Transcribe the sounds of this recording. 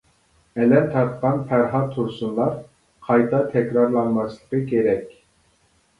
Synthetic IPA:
ɛlɛnt̪ʰɑt̪̚qɑnpʰæɾɦɑt̪ʰːuɾsunlˠɑɾ | qʰɑjt̪ʰɑt̪ʰɛkʲɾɑɾlˠɑnmɑslˠəqɨkʲʰeɾɛkʲ

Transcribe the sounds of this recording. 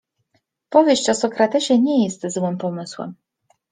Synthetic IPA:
pɔvʲjeɕt͡ɕɔsɔkɾat̪ɛɕɛɲɛjɛst̪zwɘmpɔmɘswɛ̰m

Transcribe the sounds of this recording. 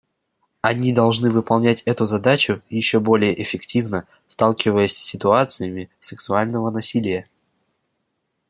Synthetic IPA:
ɐnʲid̪ɐlˠʐnɨvɨpɐlˠnʲætʲɛt̪ʊzɐd̪at͡ɕʊjɪɕːo̞bo̞lʲɪjəʔɪfʲɪktʲivnə | st̪alˠkʲɪvəjəsʲsʲːɪt̪ʊat̪sɨjəmʲɪsʲɨksʊalʲnəvənɐsʲilʲɪjə

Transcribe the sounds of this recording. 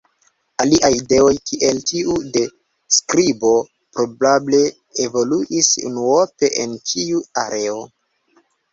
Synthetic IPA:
aliʔajide̞o̞jkʰiʔe̞ltiude̞ | skɾibo̞ | pɾo̞bable̞ | evo̞luʔisṵnuope̞ʔḛnt͡ʃiua̰ɾe̞o

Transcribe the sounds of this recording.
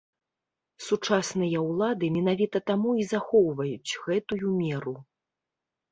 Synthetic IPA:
sut͡ʂasnɨjɐwlˠad̪ɨmʲɛnavʲit̪ɐt̪amuizaxɔwvɐjut͡sʲɣɛt̪ujumʲɛɾu

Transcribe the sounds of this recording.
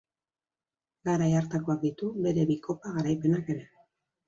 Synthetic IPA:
ɡaɾajaɾt̪ako̞ak̚d̪it̪uβe̞ɾe̞βikʰo̞paɣaɾajpe̞nake̞ɾe̞

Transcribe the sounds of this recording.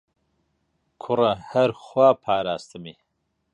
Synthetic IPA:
kʰʊɾɐhɐɾχwaːpʰaːɾaːst̪ɨmi

